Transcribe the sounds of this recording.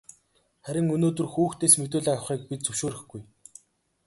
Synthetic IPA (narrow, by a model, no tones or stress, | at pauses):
χæɾʲɪ̆ŋɵnoːt̪ɵ̆rxuːxt̪eːsmet̪̬oːɮiːawχiːk̚pit̪̚t͡sɵwʃoːɾɘ̆xɡ̥uj